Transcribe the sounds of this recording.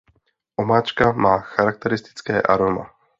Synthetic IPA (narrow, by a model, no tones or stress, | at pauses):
ʔomaːt͡ʃkamaːxaɾak̚t̪ɛɾɪst̪ɪ̥t͡skɛːʔaɾoma̰